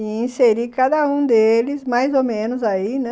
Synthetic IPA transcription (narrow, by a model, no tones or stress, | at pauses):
ĩseɾikad̪ɐũd̪elɪzmajzowmẽnʊzainɛ̃